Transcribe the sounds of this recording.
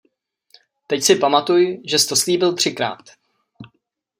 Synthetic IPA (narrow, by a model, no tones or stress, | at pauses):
t̪ɛcsɪpamat̪ujʒɛst̪osliːbɪlt̪r̥ɪkɾa̰ːt̪